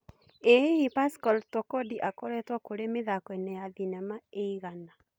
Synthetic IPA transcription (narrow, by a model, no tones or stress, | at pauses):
eeipaskɔltɔkɔdiʔakɔɾɛtwɔkoɾemeðakɔinɛjaðinɛmaeiɣana